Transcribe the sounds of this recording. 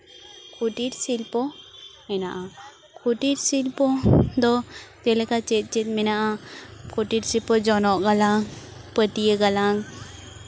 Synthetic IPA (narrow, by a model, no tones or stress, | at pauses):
kʰuʈiʈsilpɔminaʔa | kʰuʈiɾsilpod̪ɔt̪elekat͡ʃet̪̚t͡ʃit̪minaʔakʰuʈiʈsilpɔd͡ʒɔnɔʔɡalaŋpət̪ijeɡɐlaŋ